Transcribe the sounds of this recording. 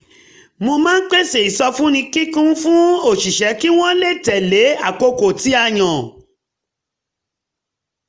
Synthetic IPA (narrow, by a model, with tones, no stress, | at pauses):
mo˧mãː˦k͡pe˦se˨i˨sɔ˧fũ˦nĩ˧ki˦kũ˦fũ˦o˦˨ʃi˨ʃɛ˨˦ki˦w̃ɔ̃˦le˦˨tɛ˨le˨˦a˦˨ko˧ko˨ti˨˦a˦˨j̃ɔ̃˨